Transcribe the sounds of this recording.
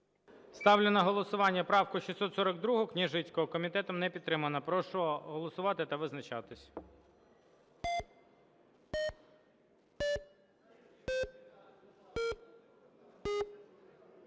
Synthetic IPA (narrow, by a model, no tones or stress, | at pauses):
st̪ɑwlʲɪnɐɦɔlˠɔsʊʋɑnʲːɐpɾɑwkʊʃʲisɔt̪sɔɾɐɡ̚d̪ɾuɦʊknʲiʒɪt͡sʲkɔɦɔkɔmʲit̪ɛt̪ɔmnɛpʲid̪ːɾɪmɐnɐpɾɔʃɔɔɦɔlˠɔsʊʋɑt̪ɪt̪ɐʋɪznɐt͡ʃɑt̪ɪsʲ